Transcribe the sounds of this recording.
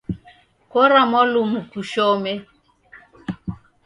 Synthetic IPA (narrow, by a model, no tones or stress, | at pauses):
kɔɾamɔlumukuʃɔme